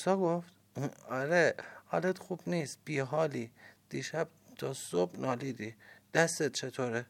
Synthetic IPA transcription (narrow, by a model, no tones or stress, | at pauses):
sɒːɡoft̪ | ɒɾehɒ̰ːlet̪xuːbniːsb̥iːɦɒːlid̪̥iːʃæb̥̚t̪ʰɒːsobnʔɒːliːd̪iːd̪̥æst̪et̪̚t͡ʃʰet̪ʰoːɾe